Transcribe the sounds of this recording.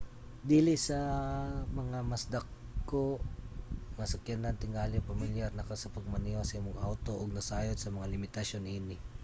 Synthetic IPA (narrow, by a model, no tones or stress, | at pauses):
d̪iːlɪsɐ | mɐŋamɐsd̪ɐkko | mɐsɐkjanant̪ɪŋaːlɪŋpɐmɪljaɾnɐkasɐpɐɡ̚mɐniwasɐimʊŋʔawt̪o̞ʔoɡ̚nɐsaːjod̪sɐmɐŋalɪmɪt̪ɐsjonhinɪ